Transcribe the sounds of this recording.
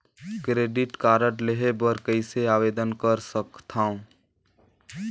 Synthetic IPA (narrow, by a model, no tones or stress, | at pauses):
kɾeːɖɪʈkaːɾəʈleɦebəɾkəɪseaːbeːd̪ənkəɾsəkt̪ʰãːũ